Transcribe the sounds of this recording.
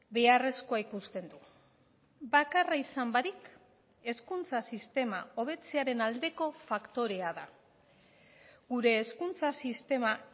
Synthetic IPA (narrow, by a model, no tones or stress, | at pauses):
be̞are̞sko̞aikust̪e̞nd̪u | bakaraisambaɾik | e̞skunt͡sasist̪e̞mao̞β̞e̞t͡seaɾe̞nald̪e̞ko̞fakt̪o̞ɾe̞aða | ɣuɾe̞ːskunt͡sasist̪e̞ma